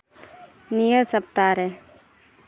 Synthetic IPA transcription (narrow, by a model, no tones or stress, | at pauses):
nijəsəp̚t̪aːɾɛ